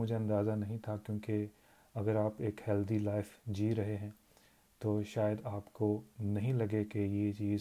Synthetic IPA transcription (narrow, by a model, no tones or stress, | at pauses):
mʊd͡ʒʱeɐ̃nd̪aːzanɐɦĩt̪ʰakjõːke | ɐɡəɾaːpeːkhɛːld̪ilaːɪfd͡ʒiːɾɐɦeɦɛ̃ː | t̪oːʃaːjəd̪aːpkonɐɦĩlɐɡekejet͡ʃiːz